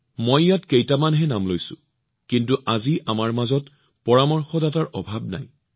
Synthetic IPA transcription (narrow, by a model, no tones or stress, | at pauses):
mojjatkejtamanɦɛnamlojsʊ̰̃ | kintuʔaziʔamaɹmazɔt | pɔɹamɔɹxɔdataɹʔɔbʱabna̰j